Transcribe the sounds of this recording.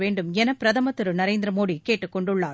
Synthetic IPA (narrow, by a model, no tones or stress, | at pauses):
ʋeːɳɖɯmɛnɐpːɪɾɐðɐmɐt̪ːɯɾɯnɐɾeːnd̪ɪɾɐmoːðikeːʈːɯkːɔɳɖɯɭːaː